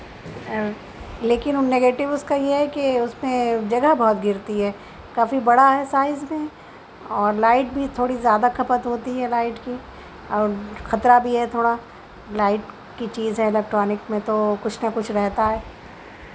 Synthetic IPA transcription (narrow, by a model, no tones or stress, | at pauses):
leːkɪnneɡeːʈɪʋʊskajeɦɛkeʊsmẽd͡ʒɐɡəɦbɔɦːt̪ɡɪɾt̪iɦɛː | kaːfibɐɽaɦɛsaːɪzmẽ | ɔːɾlaːɪʈ̚bʱit̪ʰoːɽizjaːd̪akʰɐpət̪ɦoːt̪iɦɛlaːɪʈki | ɔːɾxɐt̪ɾabʱiɦɛt̪ʰoːɽa | laːɪʈ | kit͡ʃiːzɦɛlɛk̚ʈɾɔːnɪkmẽt̪okʊt͡ʃʰnɐkʊt͡ʃʰɾɛɦt̪aɦɛː